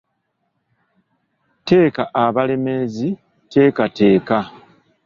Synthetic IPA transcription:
te̞ːkaʔaβale̞me̞zi | te̞ːkate̞ːka

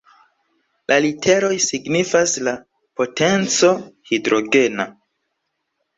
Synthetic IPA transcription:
lʔalitʰe̞ɾo̞jsiɡnifasla | po̞te̞nt͡so̞hidɾo̞ɡe̞na

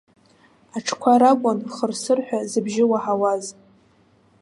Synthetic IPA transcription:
aʈ͡ʂʰkʷʰaɾakʷʼanχərsɨrħʷᶣazɨbʒɪwaħawaz

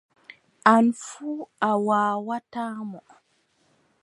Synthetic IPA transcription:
ʔanfuawaːwataːmɔ

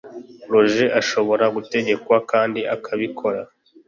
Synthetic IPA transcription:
pɾo̞ʒe̞ʔaʃo̞βo̞ɾaɡute̞ɟe̞kwakaːndiʔakʰaβikʰo̞ɾa

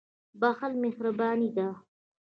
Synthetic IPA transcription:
baxalmɪhɾabɑːnid̪a

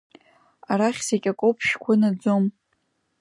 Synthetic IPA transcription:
aɾaχʲsekʲʼakʷʼopʰʃkʷʰanad͡zom

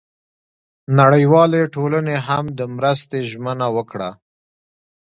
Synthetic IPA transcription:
naɽəjwɑleʈolaneɦamd̪əmɾəst̪eʒmənawəkɽa̰

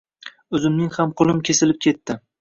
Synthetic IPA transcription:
ɵzɪmnɪŋhamqʰʊlˠɪmkʲʰe̞sɪlɪp̚kʲʰe̞t̪ːɪ

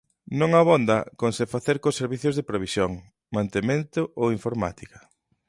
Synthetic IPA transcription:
nõŋaβond̪ɐkonsefaθeɾkoseɾβiθjozðepɾeβisjoŋ | mant̪emẽnt̪ʊʔowiɱfoɾma̰t̪ikɐ̥

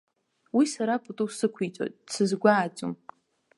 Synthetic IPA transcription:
wisaɾapʼutʼusɨkʷʰit͡sʼo̰tʼsɨzɡʷaːd͡ʒʼṵm

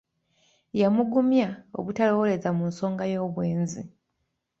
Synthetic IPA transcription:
jamuɡumjao̞̰βutalo̞wole̞zamunso̞ːŋɡajo̞ːβwe̞ːnzḭ

